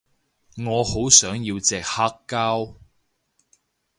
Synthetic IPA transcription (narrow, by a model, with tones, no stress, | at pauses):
ŋɔː˨˧ho˨˥wsœː˨˥ŋjiː˧wt͡sɛː˨k̚haː˥kːaː˥w